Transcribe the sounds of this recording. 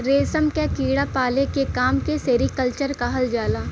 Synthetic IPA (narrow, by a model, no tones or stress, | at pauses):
ɾeːsəmkekiːɽapaːlekekaːmkeseːɾikəlt͡ʃəɾkaɦɐld͡ʒaːlaː